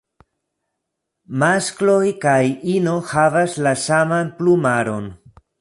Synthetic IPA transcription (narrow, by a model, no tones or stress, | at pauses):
masklo̞jkajino̞havaslasamanplumaɾo̞n